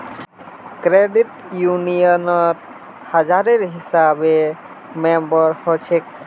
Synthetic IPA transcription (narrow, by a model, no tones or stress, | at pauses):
kɾeɖiʈ | junijɔnɔt̪ | had͡ʒaɾeɾɦisabe | membɔɾhot͡ʃʰek